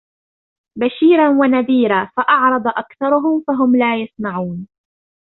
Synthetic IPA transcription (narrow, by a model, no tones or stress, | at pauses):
baʃiːɾawanaðiːɾaːfaʔɑʕɾˤɑd̪ˤʔakθɑɾˤʊɦʊmfaɦʊmlaːjasˤnaʕuːn